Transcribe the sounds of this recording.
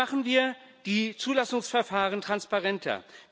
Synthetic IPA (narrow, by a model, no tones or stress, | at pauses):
aχn̩viːɐ | d̥iːt͡suːlasʊŋsfɛɐfaːʁəntʁ̥anspaʁɛntʰɐ̰